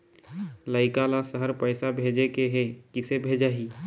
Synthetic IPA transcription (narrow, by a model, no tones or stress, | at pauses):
ləɪkalasəɦəɾpəɪsabʱeːd͡ʒekeɦekɪsebʱeːd͡ʒaːɦiː